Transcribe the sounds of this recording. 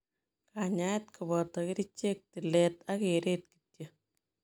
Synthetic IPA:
kaɲajtkʰubɔtɑkiɾit͡ʃek̚tilɛtakeɾet̚ki̥tjə

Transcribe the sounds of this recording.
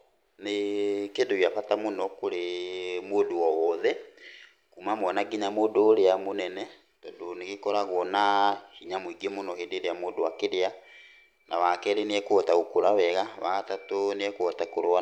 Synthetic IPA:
nekedojaɸatamonɔkoɾemoːdowɔwɔðɛ | kumamɔnaɡiɲamoːdoːɾeamonɛnɛ | tɔdoneɣekɔɾaɣɔnahiɲamwiɡemonɔhedeɾeamoːdowakeɾea | na̰βakɛɾeneɛkoɔtaɣokoɾaβɛɣaβatatoneɛkwɔtakoɾoa

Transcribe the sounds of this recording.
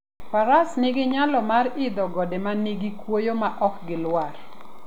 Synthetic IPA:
paɾasnɪɡɪɲalɔmarɪd̪ɔɡɔdemaniɡikwojomaʔɔkɡɪlwar

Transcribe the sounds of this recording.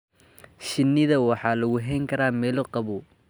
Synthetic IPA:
ʃɪnːɪðɐwɑħɑːlɐɣʊɦɛjŋkʰɐɾaːmɛːlɔqɑβu

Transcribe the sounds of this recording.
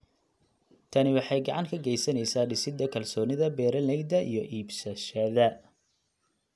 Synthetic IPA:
t̪ʰɐnɪwɑħɑjɡɑʕɑŋkʰɐɡɛjsɐnɛjsaːɖɪsɪd̪ɐkʰɐlsɔːnɪðɐbɛːɾɐlɛɡd̪ɐʔḭjɞʔiːbsɐʃɐðɐ

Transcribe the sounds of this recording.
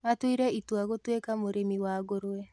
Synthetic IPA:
atwiɾɛitwaɣotwekamoɾemiwaɣoɾoɛ

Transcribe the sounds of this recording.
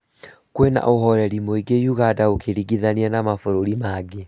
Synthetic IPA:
kwena̰ʔoɦɔɾɛɾimoiɡejuɣadaokʰeɾiɡiðanianamafoɾoɾimaɡe

